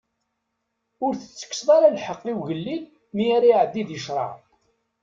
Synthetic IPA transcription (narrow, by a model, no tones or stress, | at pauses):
ʊɾθə̥t͡sːə̥kːsðˤɑɾalħəqːiwʝəlːin | miaɾaʕəd̪ːiðjəʃɾˤɑ̰ʕ